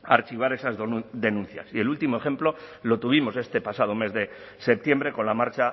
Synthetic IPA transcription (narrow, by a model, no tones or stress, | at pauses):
aɾt͡ʃiβ̞aɾe̞sazd̪e̞nũn̟θja̰sie̞lult̪imo̞e̞χe̞mplo̞lo̞t̪uβ̞imo̞se̞st̪e̞pasað̞ome̞zðe̞ | se̞p̚t̪je̞mbɾe̞ko̞nlamaɾt͡ʃa